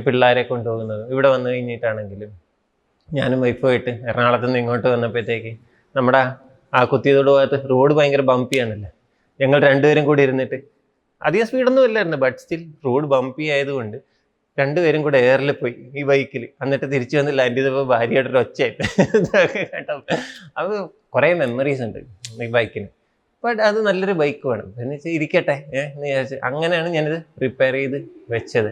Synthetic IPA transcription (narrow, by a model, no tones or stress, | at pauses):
piɭːaːɾe̞ko̞ɳɖupo̞ːɣunːɐðɨiʋiɽe̞ʋɐnːɨkɐɻiɲːajiʈːaːɳe̞ŋɡilum | ɲaːnumʋɐjpːaːjiʈːɨernaːɭɐt̪ːenːiŋːoːʈːɨʋɐnːɐpːet̪ːeːkːɨ | nɐmːuɽe | aːkut̪ːijɐðoːɽɨpoːjɐt̪ːɨruːɽɨbɐːjŋɡɐɾɐbɐmpijaːɳilːɐ | ɲɐŋːɐɭɾe̞ɳɖuʋɐɾumkuːɽiɾunːiʈːɨ | ɐ̰ðijɐspiːɽo̞nːuʋɐlːaːjiɾunːɨbɐʈsɐ̥t̪ilruːɽɨbɐmpijaːjɐðuko̞ɳɖɨ | ɾe̞ɳɖɨʋɐɾumkuːɽɨeːrilɨpːo̞ːjiiːbɐjkːilɐnːiʈːɨt̪̬iɾit͡ɕːuʋɐnːilːaendiðɨpːoːbʱaːɾijoːɽɐɾɐt͡ɕːaːjiʈːɨɐðkekaːʈːaɐð | kureːme̞mːoriːs̬uɳɖɨ̰iːbɐjkːinɨ | bɐʈːɐðɨnɐlːoɾubɐjkːɨʋḛːɳɐ̰mpinːet͡ɕːiɾikʲːɐʈːenːiaːrt͡ɕːɨʔɐŋːɐne̞jaːɳɨɲaːniðɨripːeːrijðɨʋet͡ɕːɐðɨ